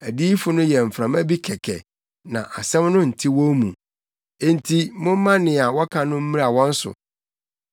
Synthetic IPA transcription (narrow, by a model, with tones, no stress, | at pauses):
æ˨di˦fʊ˨nʊ̃˦jɛ˨m̩˨fɾã˨mæ˦bi˦kʰɛ˨kʰɛ̰˨ | nã̰˨ʔa˨sɛ̃˦mnʊ̃˦n̩˨tʰi˦wɔ̃˦mũ˨ | e˦n˦tʰi˦mʊ̃˦m˦mã˦nɪ̃˨a˨wɔ˦kʰã˨nʊ̃˦m̩˦ĩ˦ɾa˨wɔ̃˦n̩˦sʊ̰˨